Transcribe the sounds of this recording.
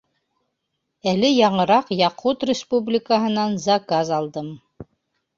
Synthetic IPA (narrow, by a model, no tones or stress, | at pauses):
ælɘjɑɴɤ̆ɾɑqjɑqut̪rʲɪspublʲɪkəɦɤ̆nɑnzakazɑlˠd̪ɤm